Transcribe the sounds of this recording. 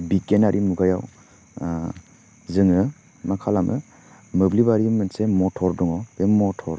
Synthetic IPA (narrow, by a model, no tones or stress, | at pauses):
bikenaɾʔimuɡajaw | zɯŋɯ | makʰalamʔɯ | mɯblibaɾimɯnsemɔtʰɔɾdɔŋɔbemɔtʰɔɾ